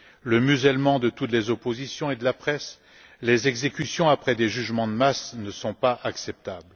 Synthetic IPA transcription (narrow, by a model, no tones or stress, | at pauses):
ləmyzɛlmɑ̃d̪ət̪ut̪lezopozisjɔ̃ed̪əlapχɛs | lezɛɡzekʲysjɔ̃apχɛd̪eʒyʒmɑ̃d̪əmasnəsɔ̃paʔaksɛp̚t̪abl